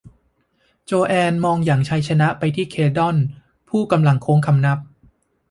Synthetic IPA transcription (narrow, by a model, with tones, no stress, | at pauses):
t͡ɕoː˧ʔɛː˧nmɔː˧ŋjaː˨˩ŋt͡ɕʰa˧˥jt͡ɕʰa˧na˦˥ʔpa˧jt̪ʰiː˥˩kʰeː˧dɔ˥˩n | pʰuː˥˩ka˧mla˧ŋkʰoː˧˥ŋkʰa˧mna˦˥p̚